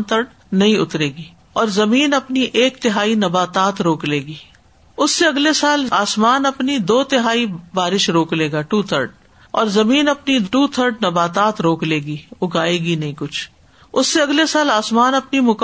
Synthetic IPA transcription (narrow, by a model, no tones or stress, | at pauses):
t̪ʰəɾɖ | nɐɦĩʊ̰t̪ɾeːɡiː | ɔːɾzɐmiːnɐpniʔeːkt̪ɪɦaːinɐbaːt̪aːt̪ɾoːkleːɡiː | ʊsːeɐɡlesaːlaːsmaːnɐpnid̪oːt̪ɪɦaːibaːɾɪʃɾoːkleːɡaːʈuːt̪ʰəɾɖ | ɔːɾzɐmiːnɐpniʈuːt̪ʰəɾɖnɐbaːt̪aːt̪ɾoːkleːɡiːʊɡaːeːɡinɐɦĩkʊt͡ʃʰ | ʊsːeɐɡlesaːlaːsmaːnɐpnimʊk